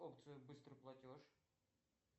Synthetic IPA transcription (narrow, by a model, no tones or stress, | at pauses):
opt̪sɨjʊbɨst̪ɾɨplˠɐtʲoʂ